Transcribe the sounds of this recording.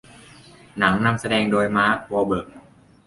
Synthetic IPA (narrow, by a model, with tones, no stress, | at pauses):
na˩˦ŋna˧msa˧dɛː˧ŋdoː˧jmaː˦˥kɔː˧bɤː˨˩k̚